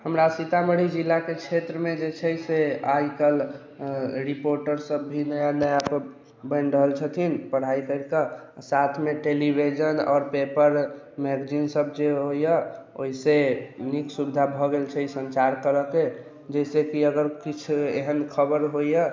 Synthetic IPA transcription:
həmɾasit̪aməɽ̤id͡ʒilːaket͡ʃʰet̪ɾəmed͡ʒet͡ʃʰəseajkəl | ɾipoɾʈəɾsəbːʱinəjanəjapə | bənɾəɦəlt͡ʃʰət̪ʰinpəɽ̤aikəɾkasat̪ʰmeʈelibʱid͡ʒənɔ̰ːɾpepəɾ | mɛɡd͡ʒinsəb̚ʱd͡ʒeɦojjəo̰ɦiseniksubid̪ʱabʱɔɡelt͡ʃʰəisənt͡ʃaɾkəɾəke | d͡ʒɛjsekiəɡəɾkit͡ʃʰeɦənkʰəbəɾɦojə

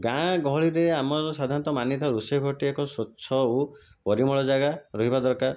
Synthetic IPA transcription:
ɡãɡɔɦɔɭiɾeamɔɾɔsad̪ʱaɾɔnt̪ɔmanjɔt̪ɔɾusebʱɔʈiekɔsot͡ʃʰɔo | pɔɾimɔɭɔd͡ʒaɡaɾɔɦibad̪ɔɾkaɾ

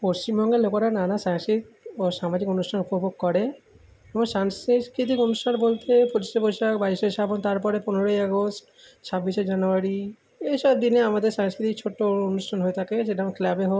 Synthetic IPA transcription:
post͡ɕimbɔŋɡelokoɾananasaŋsit̪oʃamad͡ʑikonusʈʰanupobʱoɡ̚kɔɾe | ebɔ̃saŋsskɾit̪̬ikonusʈʰanbolt̪epuɾisebojʃakbaɾiʃeʃabont̪aɾpɔɾeponeɾojɔɡosʈ | t͡ʃʰabːiʃed͡ʑanuaɾi | ejʃɔb̚d̪ineamad̪eɾsaŋskɾit̪ik̚t͡ɕʰoʈːoonuʃʈʰanɦoet̪ʰakeseʈamkʰlabeɦo

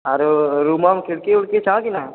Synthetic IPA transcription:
aɾoɾuːmamkɪɽkeʊɽket͡ʃãkina

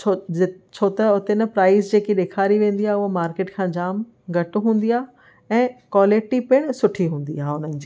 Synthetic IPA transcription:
t͡ɕʰot͡ɕʰoːt̪ɐʊt̪enɐpɾaːɪzd͡ʑeːkiɗeːkʰaːɾiʋẽːnd̪iaːɦʊɦomaːɾkeːʈkʰãːd͡ʑaːm | ɡʱɐʈɦũːn̆d̪iaː | ɛ̃ːkwaːlɪʈipɪɽ̃sʊʈʰiɦũːn̆d̪iaːɦʊnənɪ̆d͡ʑiː

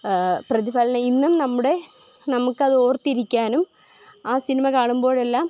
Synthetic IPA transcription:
prɐðibaːlɐnɐinːumnɐmːuɽe̞nɐmukːɨɐðɨoːrt̪ːiɾikʲːaːnum | aːsinimɐkaːɳumbo̞ːɻe̞lːaːm

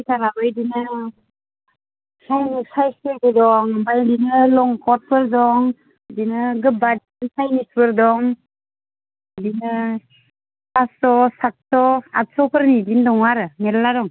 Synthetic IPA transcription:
itʰaɾabɯjdinɯ | sajnisajseɡɯdɔŋbajdinɯlɔŋkʰɔt̚pʰɯɾdɔŋ | dinɯɡɯbadinsajnispɯɾdɔŋ | dinɯ | pasɔsak̚tɔat̚sɔpʰɯɾnidindɔŋaɾɯneɾladɔŋ

